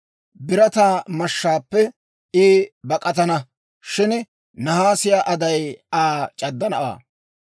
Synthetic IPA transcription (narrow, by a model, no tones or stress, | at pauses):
bɪɾɐt̪aːmɐʃːaːpːɛ | ɪːbɐkʼɐt̪̬ɐnɐ | ʃɪn | nɐhaːsɪjaːʔɐd̪ɐjaːt͡ʃʼɐd̪ːɐnɐwa̰ː